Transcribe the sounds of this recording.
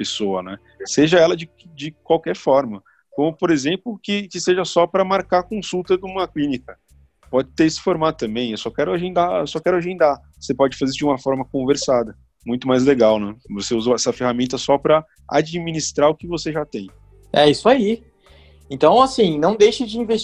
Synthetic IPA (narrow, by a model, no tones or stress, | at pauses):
pesoɐnɛ | seʒɐɛlɐd͡ʒɪ | d͡ʒɪkwawkɛɾfɔɾmɐ | kõmʊpoɾezẽmplʊkɪkɪseʒɐsɔpɾɐmaɾkakõsuwt̪ɐd̪ũmɐklĩnikɐ | pɔd͡ʒɪt̪eɾisɪ̥foɾmad̪ʊt̪ɐ̃mbẽj̃ewsɔkɛɾʊaʒẽnd̪aewsɔkɛɾʊaʒẽnd̪avosepɔd͡ʒɪfazeisʊd͡ʒɪũmɐfɔɾmɐkõveɾsad̪ɐ | mũj̃t̪ʊmajzleɡawnɛvoseuzɐɛsɐfehamẽnt̪ɐsɔpɾɐ | a̰d͡ʒiminist̪ɾaɾʊkɪvoseʒat̪ẽj̃ | ɛisʊai | ẽnt̪ɐ̃w̃asĩnɐ̃w̃d̪ejʃɐd͡ʒɪĩves